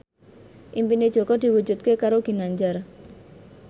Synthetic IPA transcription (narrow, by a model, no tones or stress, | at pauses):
ʔimpined̥ʒ̥ɔ̤kɔd̪̥i̤wu̥d͡ʒṳt̪̚kekaɾoɡ̥i̤naɲd͡ʒar